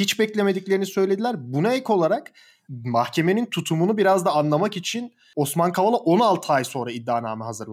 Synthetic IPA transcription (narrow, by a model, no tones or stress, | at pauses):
hit͡ʃbɛclʲe̞me̞d̪iclʲeɾinisø̞jlʲed̪ilʲæɾbunaecʰo̞lˠaɾak | mahcʰe̞me̞nint̪ʰut̪ʰumunubiɾazd̪aːnlˠamakit͡ʃʰin | o̞smankʰavalˠaʔo̞nalˠt̪ʰɯajso̞nɾaid̪ːaːna̰ːmaɦazɯɾ